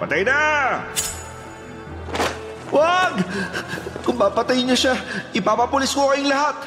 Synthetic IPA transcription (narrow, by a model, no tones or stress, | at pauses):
pɐt̪ajna | waɡ | kʊŋpapɐt̪ajɲoʃaʔɪpapapʊlɪskokɐjɪŋlɐhat̪̚